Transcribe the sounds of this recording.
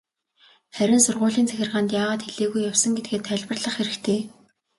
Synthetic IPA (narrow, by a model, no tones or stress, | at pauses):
χæɾʲɪ̆nsʊrʁʊːɮiːnt͡sʰæxʲɪ̆rʁaːnt̪jaːʁaːt̪xeɮeːɣujːawsə̆ŋɡet̪̚ɡeːt̪ʰːæɮʲpə̆rɮə̆χxeɾɘ̆kt̪ʰeː